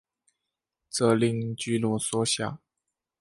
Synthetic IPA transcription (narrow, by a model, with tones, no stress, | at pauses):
t͡sɤ˥˩li˥˧˩ŋt͡ɕy˥lwɔ˧˥swɔ˥ɕja̰˥˩